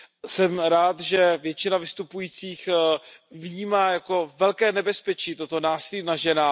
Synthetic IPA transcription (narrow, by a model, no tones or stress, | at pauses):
sɛmɾaːt̪ʒɛvjɛt͡ʃɪnavɪst̪upujiːt͡siːx | vɲiːmaːjako̞vɛlkɛːnɛbɛspɛt͡ʃiːt̪ot̪onaːsɪlinaʒɛna